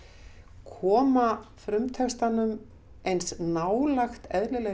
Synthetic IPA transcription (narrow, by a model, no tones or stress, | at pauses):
kʰɔːmafɾʏmt̪ʰɛkst̪anʏm | ejnsnawlaxt̪ɛðlɪlɛ